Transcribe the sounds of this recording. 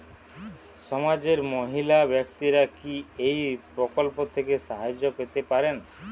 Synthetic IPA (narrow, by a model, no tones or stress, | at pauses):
sɔmad͡ʒeɾmoɦilabjɔk̚t̪iɾakiejpɾɔkɔlpot̪ʰekesaɦad͡ʒoket̪epaɾen